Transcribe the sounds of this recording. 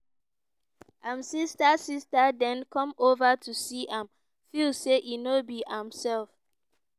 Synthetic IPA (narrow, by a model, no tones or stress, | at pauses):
ʔãmsistasistadɛ̃nkʰɔ̃movətʰusiʔãm | filseʔinobiãmsɛlf